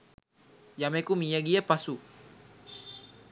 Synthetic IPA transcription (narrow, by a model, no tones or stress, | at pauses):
jamekumijaɡiɛpasu